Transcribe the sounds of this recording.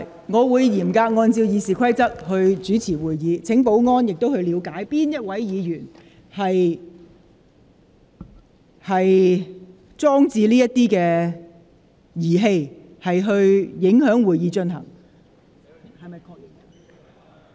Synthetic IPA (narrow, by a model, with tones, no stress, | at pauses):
ŋɔː˨˧wuː˨˧jjiː˨˩mkaː˧k̚ŋɔː˧nt͡siː˧wjiː˨˧siː˨kʷʰɐ˥jt͡sɐ˥k̚hɵ˧ɥt͡ʃyː˨˥t͡sʰiː˨˩wuː˨˩jjiː˨˧t͡sʰɪ˨˥ŋpo˨˥wŋɔː˥njɪ˨k̚t̪o˥whɵ˧ɥliː˨˧wkaː˨˥jpiː˥njɐ˥t̚wɐ˨˥jjiː˨˧jyː˨˩n | hɐ˨j | hɐ˨j | t͡sɔː˥ŋt͡siː˧liː˥jɐ˥t̪iː˥kɛː˧ | jiː˨˩ɦe˧j | hɐ˨jɦɵ˧ɥjɪ˨˥ŋɦœː˨˥ŋwuː˨˩jjiː˨˧˥t͡ʃɵ˧nɦɐ̰˨˩ŋ | hɐ˨jmɐ˨jkʰɔ˧k̚